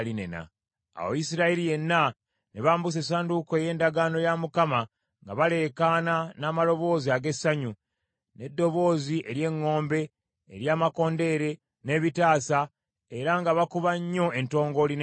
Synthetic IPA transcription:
linḛna̰ | a̰wo̰jisiɾaiɾije̞nːa | neβaːmbus̬e̞s̬aːndukoeje̞ːndaɡaːno̞jamukama | ŋɡa̰βale̞kaːnanaːmalo̞βo̞ːziaɡe̞sːaɲu | ne̞dːo̞βo̞ːziʔeɾje̞ŋːo̞ːmbe̞̰ː | ɾjaːmako̞ːnde̞ɾe̞ | ne̞βitaːsa | e̞ɾaŋɡaβakuβaɲːo̞e̞nto̞ːŋɡo̞lin

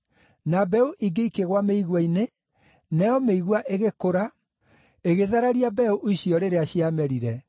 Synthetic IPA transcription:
nabɛuʔiɡeikeɣwameiɣwaine | nɛjɔmeiɣwaʔeɣekoɾa | eɣeðaɾaɾiabɛuʔiɕiɔɾeɾeaɕiamɛɾiɾɛ

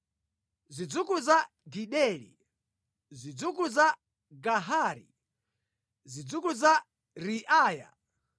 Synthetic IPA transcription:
zid͡zukuza | diɗɛlḭ | zid͡zuk̬uza | ɡaɦaɾḭ | zid͡zukuza | ɾiʔaːja̰

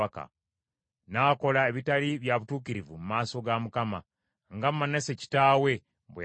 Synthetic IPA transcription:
aka̰ | naːko̞lae̞βitaliβjaβutuːkiɾivumumaːso̞ɡamukama | ŋɡamːaneseci̥taːwe̞ | βwe

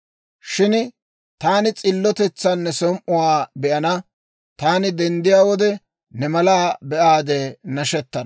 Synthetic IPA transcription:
ʃɪn | t̪aːnɪt͡sʼɪlːɔt̪ɛt͡sːanːɛsɔmʔʊwaːbɛʔɐnɐ | t̪aːnɪd̪ɛnd̪ɪjaːwɔd̪ɛ | nɛmɐlaːbɛʔaːd̪enɐʃɛt̪ːɐnɐ

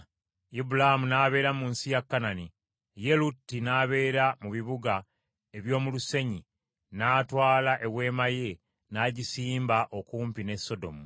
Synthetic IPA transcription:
ibulahamunaːβe̞ːɾamunsijakːanani | je̞lutːinaːβe̞ːɾamuβiβuɡa | e̞βjo̞ːmuluse̞ɲi | naːtwaːlaʔe̞βwe̞ːmaje | naːɟisiːmbaʔo̞kuːmpine̞sːo̞do̞̰mu

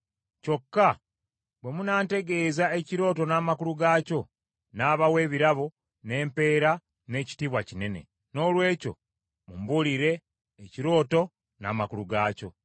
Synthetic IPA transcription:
co̞kːa | βwe̞munaːnte̞ɡe̞ːzae̞ciɾo̞ːto̞naːmakuluɡaːco̞ | naːβawe̞ːβiɾaβo̞ | ne̞ːmpe̞ːɾa | ne̞ːci̥tiβwacine̞ne̞̰ | no̞ːlwe̞ːco̞̰ | mumbuliɾe̞ː | ciɾo̞ːto̞ | na̰makuluɡaːco̞̰

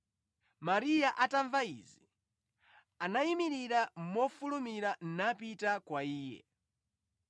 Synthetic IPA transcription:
maɾijaʔataɱvaḭzi | anaimiɾiɾam̩mɔfulumiɾan̩napitakwaiːjɛ̰

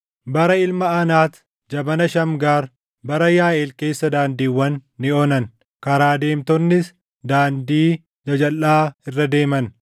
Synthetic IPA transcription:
bɐɾɐɪlmɐɐnaːt̪ | d͡ʒɐbɐnɐʃɐmɡaːɾ | bɐɾɐjaːʔeːlke̞ːsːɐd̪aːnd̪iːwːɐnːɪɔːnɐn | kɐɾaːd̪e̞ːmt̪ɔnːɪs | d̪aːnd̪iː | d͡ʒɐd͡ʒɐlːaːɪrːɐd̪e̞ːmɐn

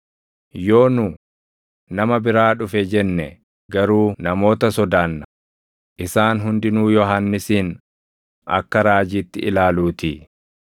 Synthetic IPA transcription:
jo̞ːnʊ | nɐmɐbɪɾaːᶑʊfɛd͡ʒɛnːɛ | ɡɐɾuːnɐmo̞ːt̪ɐsɔd̪aːnːɐ | ʔɪsaːnɦʊnd̪ɪnuːjɔɦanːɪsiːn | ɐ̰kːɐɾaːd͡ʒiːt̪ːɪʔɪlaːluːt̪i

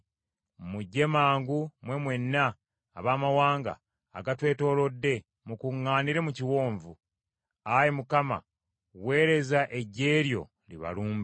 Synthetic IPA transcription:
muɟːe̞maːŋɡumwe̞mwe̞nːa̰ː | βaːmawaːŋɡa̰ː | ɡatwe̞ːto̞ːlo̞dːe̞ | mukuŋːaːniɾe̞muciwo̞ːɱvu | ajemukama̰ | we̞ːɾe̞zaʔe̞ɟe̞ːɾjo̞̰ | liβa̰luːmbe

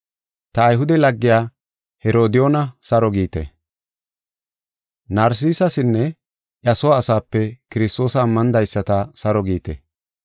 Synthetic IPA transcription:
t̪ɐːjɦʊd̪ɛlɐɡːɪjaː | hɛɾo̞ːd̪ɪjoːnɐsɐɾɔɡiːt̪ɛ̰ | nɐːɾs̬iːsɐsɪnːɛ | ʔjɐsɔwaːsaːpːɛkɪɾɪst̪o̞ːsɐːmːɐnd̪ɐjsːɐt̪ɐsɐɾɔɡiːt̪ɛ̰

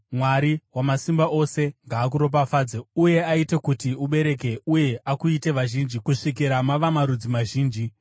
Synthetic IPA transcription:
mwaɾiwamasimbaʔo̞se̞ŋɡaːk̬uɾo̞p̬afaːd͡zeuje̞aite̞kutiuɓe̞ɾe̞k̬e̞uje̞ʔakuite̞ʋaʒind͡ʒikuʂik̬iɾamaʋamaɾud͡zimaʒiːnd͡ʒi

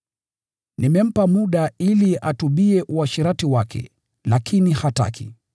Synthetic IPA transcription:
nimɛm̩pamuɗailiʔatuɓiɛʔuaʃiɾatiwakʰɛ̰ | lakʰinihata̰kʰḭ

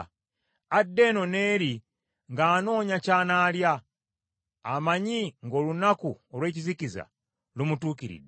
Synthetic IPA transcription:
adːe̞no̞ne̞ːɾi | ŋɡaːno̞ːɲacaːnaːlja | maɲiŋɡo̞ːlunakuolwe̞ːciziciza̰ | lumutuːkiɾḭdːe

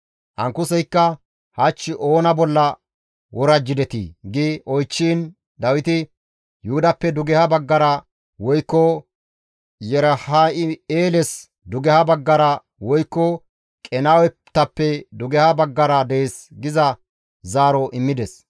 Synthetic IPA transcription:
hɐŋkːʊsɛjkːɐ | hɐt͡ʃːɪʔoːnɐbɔlːɐ | wɔɾɐd͡ʒːɪd̪ɛt̪ḭːɡɪʔɔjt͡ʃːiːn | d̪ɐwɪt̪ɪ | jʊhʊd̪ɐpːɛd̪ʊɡɛhɐbɐɡːɐɾɐ | wɔjkːɔ | jɛɾhaɪeːlɛs | d̪ʊɡɛhɐbɐɡːɐɾɐ | wɔjkːɔ | kʼɛnaːwɛ | t̪ːɐpːɛd̪ʊɡɛhɐbɐɡːɐɾɐd̪ɛeːsɡɪzɐ | zaːɾɔʔɪmːɪd̪ɛs

